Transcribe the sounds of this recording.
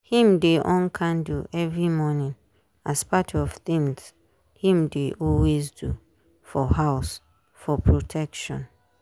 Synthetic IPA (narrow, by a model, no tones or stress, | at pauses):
hĩmdeʔɔ̃nkʰãnduʔɛvɹimɔnĩn | aspatʰɔv̥θĩŋs | hĩmdeʔɔlwezdu | fɔɦaʊs | fɔpʰɹotʰɛkʃɔ̰̃n